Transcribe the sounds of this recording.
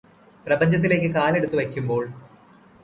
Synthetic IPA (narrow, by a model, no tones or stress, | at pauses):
prɐbɐɲd͡ʑɐt̪̬ːile̞ːkːɨkaːle̞ɽut̪ːuʋɐkʲːumbo̞ːɭ